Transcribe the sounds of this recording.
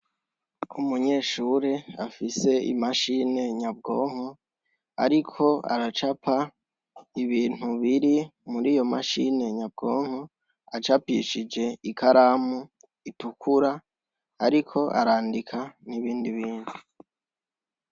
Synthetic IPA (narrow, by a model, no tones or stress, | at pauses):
umuɲe̞ːʃuːɾeafise̞ḭmaʃine̞ɲab̚ɡo̞ːŋ̥o | a̰ɾikʰo̞a̰ɾat͡ʃapʰa | iβiːn̥uβiɾimuɾiːjo̞maʃine̞ɲab̚ɡo̞ːŋ̥o | at͡ʃapḭʃid͡ʒe̞ikaɾaːmu | itukʰuɾaː | ɾikʰo̞ʔa̰ɾaːndikʰaniβiːndiβiːndu